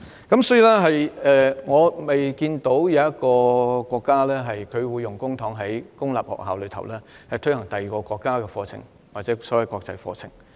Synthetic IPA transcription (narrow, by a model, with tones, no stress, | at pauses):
kɐ˨˥msɔː˨˥jiː˨˧lɛː˥ɦɐ˨jɛː˧ŋɔː˨˧me˨jkiː˧nt̪o˨˥wjɐ˨˧wɐ˥t̚kɔː˧kʷɔː˧kːaː˥lɛː˥ɦɐ˨jkʰɵ˨˧ɥwuː˨˧jːʊ˨˩ŋkʊ˥ŋt̪ʰɔː˨˥ŋɦɐ˨˥jkʊ˥ŋla̰ː˨p̚hɔ̰˨˩k̚ɦa̰ː˨wlɵ˨˧ɥt̪ʰɐ˨˩wlɛː˥ | hɐ˨jt̪ʰɵ˥ɥhɐ˨˩ŋt̪ɐ˨˩jiː˨kɔː˧kʷɔː˧kːaː˥kɛː˧fɔː˧t͡sʰɪ̰˨˩ŋ | waː˨t̚t͡sɛː˨˥sɔː˨˥wɐ˨˩jkɔː˧k̚t͡sɐ˧jfɔ̰ː˧t͡sʰɪ˨˩ŋ